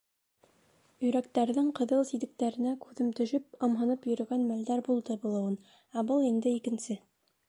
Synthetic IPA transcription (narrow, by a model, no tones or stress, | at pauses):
ɵ̆jɾæk̚t̪æɾðɘŋqɤ̆ðɤlˠsid̪ɘ̆k̚t̪æɾɘ̆nækʉðɘmt̪ɵ̆ʃɵp̚ɤ̆mɦɤ̆nɤpjɵ̆ɾɵ̆ɡænmæld̪æɾbulˠd̪ɤbulˠɤ̆wɤn | æbɤlˠind̪ɘikɘ̆nsɘ